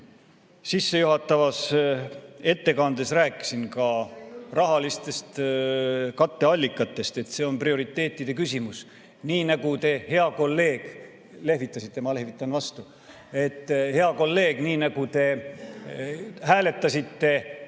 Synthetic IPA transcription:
sisːe̞juɦɑt̪ːˑɑvɑs | e̞t̪ːe̞kɑnd̪̥esræːkːˑi̥sinkɑrɑɦɑlist̪e̞st̪ | kɑt̪ːe̞ɑlʲːikːˑɑt̪ːˑe̞st̪e̞t̪se̞ːo̞nprio̞ɾit̪ˑːe̞ːt̪ːid̪̥e̞kysʲimus | niːnɑɡut̪e̞he̞ɑko̞lːe̞ːɡ̥ | le̞hvit̪ˑːɑsit̪ˑːe̞mɑle̞hvit̪ˑːɑnvɑst̪u | e̞t̪ːˑhe̞ɑko̞lːe̞ːɡ̥niːnɑɡ̥ut̪e̞ | hæːle̞t̪ːˑɑsʲit̪ːe̞

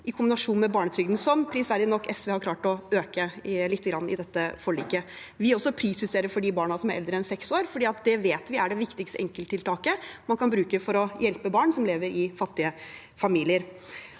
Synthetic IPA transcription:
ʔɪkʰʊmbɪnɑʂuːnmɛbɑːɳət̪ʰɾʏɡd̪n̩sɔmpʰɾɪsʋæːɾlɪnɔkːɛsʋɛːhɑɾkʰlɑːʈɔøːkəlɪt̪ːəɡɾɑnːɪ̰d̪ɛt̪ːəfɔɭḭːkə | ʋɪɔsːɔpʰɾiːsʉseːɾəɾfɔɖɪbɑːɳɑsɔmæɾɛ̰ld̪ɾəɛnsɛksoːɾfɔɖiːɑt̪̚d̪ɛʋeːt̪ʋɪʔæɖɛʋɪkt̪ɪkst̪əʔɛŋkəlt̪ʰːɪlt̪ʰɑːkəmɑnkʰɑnbɾʉːkəfɔɾɔjɛlpəbɑːɳsɔmleːʋəɾɪfɑt̪ːɪə | fɑmiːlɪəɾ

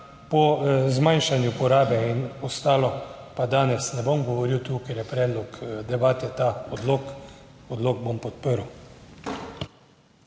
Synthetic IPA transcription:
pɔzmajnʃanjupɔɾaːbɛinɔst̪aːlɔpad̪aːnɛsnɛbomɡɔʋɔɾiwt̪uːkɛɾjɛpɾɛːd̪lɔkd̪ɛbaːt̪ɛt̪aɔd̪lokɔd̪loːɡ̚bompɔt̪pəɾw

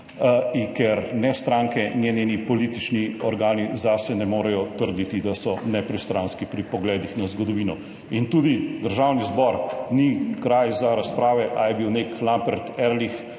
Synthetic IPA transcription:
ikɛɾnɛst̪ɾaːŋkɛnjenenipɔliːt̪it͡ʃniɔɾɡaːnizasɛnɛmoːɾɛjɔt̪əɾd̪it̪id̪asɔnɛpɾist̪ɾanskipɾipɔɡlɛːd̪ixnazɡɔd̪ɔʋiːnɔ | int̪uːd̪id̪əɾʒawnizbɔɾnikɾajzaɾaspɾaːʋɛʔa̰jɛbiwneklambɛɾt̪ɛɾlix

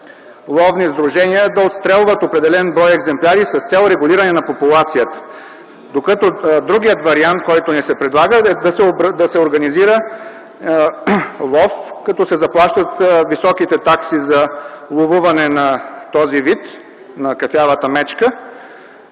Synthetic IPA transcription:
lˠɔvnizd̪ɾuʒɛniəd̪ɐot̪st̪ɾɛlˠvət̪opɾɛd̪ɛlɛnbɾɔjɛɡzɛmplʲaɾisɐst̪sɛlˠɾɛɡuliɾənɛnɐpopulˠat̪sijət̪ə̥ | d̪okət̪ɔd̪ɾuɡijət̪vɐɾiant̪̚kɔjt̪onɛsɛpɾɛd̪lˠaɡəɛd̪ɐsɛod̪ɐsɛoɾɡɐniziɾə | lˠɔfkɐt̪ɔsɛzɐplˠaʃt̪ət̪visɔkit̪ɛt̪aksizɐlˠovuvɐnɛnɐt̪ɔzivit̪ | nɐkɐfʲjavət̪əmɛt͡ʃkə

